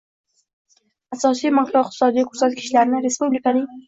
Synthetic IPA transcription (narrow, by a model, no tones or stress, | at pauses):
asɑsimʊɡpoɪq̚t̪ɪ̥sɑd̪iq̚t̪sat̪kɪ̥ʃlaɾnaɾɪspublikani